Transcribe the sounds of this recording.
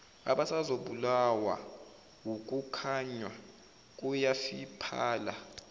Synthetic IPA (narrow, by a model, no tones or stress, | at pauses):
a̰ɓasazoɓulawa̰ | wuk̬ʼukʰaɲwa | k̬ʼujafipʰaːla̰